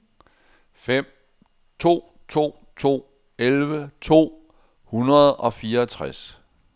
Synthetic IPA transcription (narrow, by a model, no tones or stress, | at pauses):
fem̰ | t͡sʰo̝̰ː | t͡sʰo̝̰ː | t͡sʰo̝̰ː | elʋət͡sʰo̝̰ː | hunɐð̞̩ˠɒ̽fiːɐt͡sʰʁas